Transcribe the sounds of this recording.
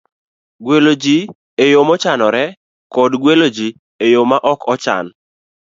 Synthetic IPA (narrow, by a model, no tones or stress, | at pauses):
ɡwelod͡ʒi | ejomɔt͡ʃanɔɾɛ | kɔdɡwelod͡ʒi | ejomaʔɔkɔt͡ʃa̰n